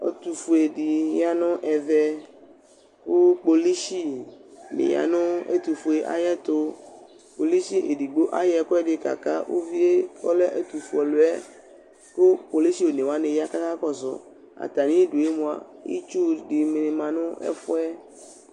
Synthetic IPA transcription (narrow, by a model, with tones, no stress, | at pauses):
ɔ̰˨t̪u˨fu˨e˨ɖi˨ja˦nɔ̃˦ʔɛ˨vɛ˦ | wo˦k͡po˨li˦ʃi˦nḛ˨ja̰˨nʊ̃˦ḛ˦t̪u˨fo˨e˨ʔa̰˨jɛ˦t̪o˦ | k͡po˨li˦ʃi˦ʔe˨ɖi˨ɡ͡bo˦ʔa˦jɛ˨kɔ˦ɛ˦ɖe˨ka̰˨ka˦wʔo̰˦vi˦e˦kɔ˦le˦ʔe˦t̪u˨fu˨ɔ˨lo˨ɛ˦ | ko˦k͡po˨li˦ʃi˦wo˨nẽ˨wa˦nẽ˨ja˦ka˦ka˦kɔ˦zɔ̰˨ | a̰˨t̪a˨nĩ˦e˦ɖo˨e˦mõ˨a̰˨ḭ˦t͡ʃu˦ɖi˨me˨ne˨mã˨nʊ̃˦ɛ̰˦fɔ˦ɛ˦